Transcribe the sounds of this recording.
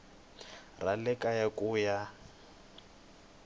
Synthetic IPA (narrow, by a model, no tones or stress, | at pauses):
ralɛkʼajakʼuːja